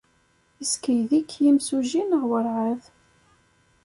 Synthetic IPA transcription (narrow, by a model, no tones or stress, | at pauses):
iskəjðikʰːjimsuʒinəʁwəɾʕað